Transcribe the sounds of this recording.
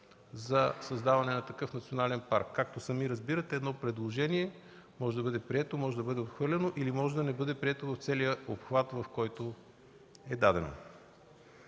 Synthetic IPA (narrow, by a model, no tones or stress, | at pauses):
zɐsɐzd̪avɐnɛnɐt̪ɐkɤfnɐt̪sionalɛnpaɾkːak̚t̪osɐmiɾɐzbiɾɐt̪ɛːd̪nɔpɾɛd̪lˠoʒɛniɛ | mɔʒɛd̪ɐbɤd̪ɛpɾiɛt̪omɔʒɛd̪ɐbɤd̪ɛop̪xvɤɾlʲɛnoʔilimɔʒɛd̪ɐnɛbɤd̪ɛpɾiɛt̪ovɐft̪sɛlijəopxvat̪vɐfkɔjt̪o | ɛd̪ad̪ɛno̰